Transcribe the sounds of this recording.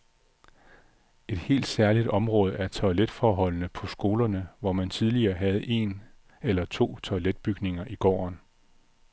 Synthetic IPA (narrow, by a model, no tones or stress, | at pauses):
e̝d̥he̝̰ːld̥sæɐlid̥ɒ̽mʁɔ̽ːð̞ˠʔæɐt͡sʰɒ̽led̥fɒːɦɒ̽l̰nəpʰɒ̽sɡ̥o̝ːlɐnəʋɒmænt͡sʰið̞ˠliɐːɦæð̞̩ˠʔe̝n | elɐt͡sʰo̝̰ːt͡sʰɒ̽led̥̚b̥yɡ̥ne̝ŋɐʔiɡ̥ɒ̰ːɒn